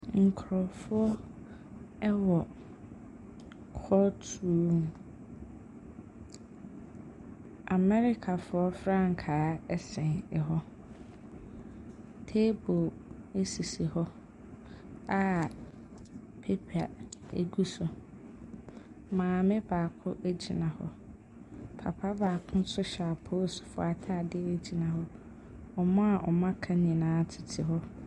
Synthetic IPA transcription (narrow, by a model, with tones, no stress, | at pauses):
ŋ̩˨kʰɾɔ˨fʊ˦ɔ˦ | ɛ˦wɔ˨ | kʰɔ˦tʰu˦m | a˨mɛ˦ɾɪ˦kʰa˨fʊ˦ɔ˦fɾã˦ŋ̩˨kʰaː˨˦ɛ˦sɛ̃˨nɛ˨ɦɔ˦ | tʰe˦bo˨e˦si˨si˨hɔ˦ | a˦ | pʰe˦pʰa̰˨ḛ˨ɡu˦sʊ˨ | mãː˨mɪ̃˦b̥aː˨kʰʊ˦ʔæ˦d͡ʑḭ˨nã˨hɔ˦ | pʰa˨pʰa˦baː˨kʰʊ̃˦n̩˦sʊ˦ɕa˨pʰoː˦˨sʊ̥˨fʊ̰˨a˨tʰa˦˨dɪ˦æ˨d͡ʑi˨nã˨ɦɔ˦ | ɔ˨mã˦a˨ʔɔ̰˨mã˦kʰã˦n˨ĩ˨nãː˨˦tʰɪ˨tʰɪ˨ɦɔ˦